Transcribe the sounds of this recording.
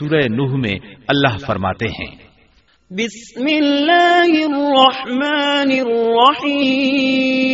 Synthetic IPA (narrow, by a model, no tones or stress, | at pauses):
uːɾəenuːɦmḛ̃ɐlːaɦfɐɾma̰ːt̪eɦɛ̰̃ː | bɪsmɪlːaːɦɪrːɑħmaːnɪrːɑħiː